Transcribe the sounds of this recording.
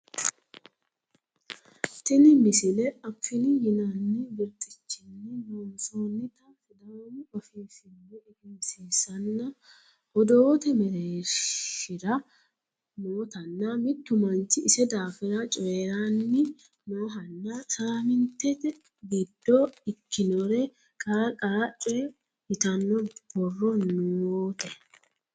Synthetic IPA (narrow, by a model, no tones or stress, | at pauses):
t̪ɪnɪmɪsɪlɛɐfːɪnɪjɪnaːnːɪbɪɾt̪ʼɪt͡ʃːɪnːɪmɔnsoːnːɪt̪ɐnfɪd̪ɐnɪʔɔfiːfɪnːɛɪɡɪmsiːsɐnːɐ | ʔɔd̪oːt̪ɛmɛɾeːʃɪɾɐ | noːt̪ɐnːɐmɪt̪ːʊmɐnt͡ʃɪɪsɛd̪aːfɪɾɐt͡ʃʼɔeɾanːɪ | moːɦɐnːɐsaːmɪnt̪ɛt̪ɛ | ɡɛd̪ːoːɪkːɪnɔɾɛ | kʼɐkʼɐɾɐt͡ʃʼɔ | ɪt̪ɐnːɔb̥ɔrːɔnʊoːt̪ɛ